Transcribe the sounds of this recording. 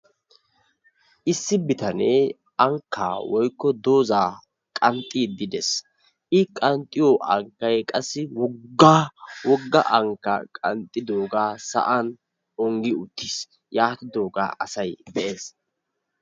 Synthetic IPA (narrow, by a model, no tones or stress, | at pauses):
ʔɪsːɪbɪt̪ɐnɛ | ʔɐŋkʰːa̰ːwɔjkːɔd̪o̞ːzaː | kʼɐnt̪ʼːiːd̪ɪd̪ɛs | ʔɪkʼɐnt̪ʼːɪjɔʔɐŋkːɐjkʼɐsːɪwɔɡːaːwɔɡːɐʔɐŋkːɐ̰kʼɐ̰nt̪ʼːɪd̪o̞ːɡaːsɐ̰ʔɐn | ɔŋɡɪʊt̪ʰːis | jaːt̪ɪd̪o̞ːɡa̰ːʔɐsɐjb̪ɛʔe̞ːs